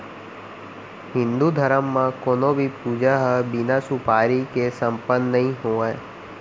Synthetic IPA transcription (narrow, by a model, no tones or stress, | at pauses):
ɦɪ̃nd̪ud̪ʱəɾəmːãkoːnõbʱipuːd͡ʒaɦbɪnasupaːɾikesə̃mpənːɐɦĩɦoːeː